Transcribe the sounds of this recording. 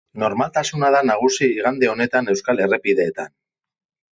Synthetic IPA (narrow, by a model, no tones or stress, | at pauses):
no̞ɾmalt̪asunað̞anaɣ̞usiːɣand̪e̞o̞ne̞t̪ane̞wskale̞repiðe̞ːt̪an